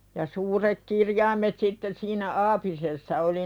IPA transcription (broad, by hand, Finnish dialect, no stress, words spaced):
jɑ suːrek kirjɑimˑet sitːen̆ siːnæ ɑːpisesːɑ oli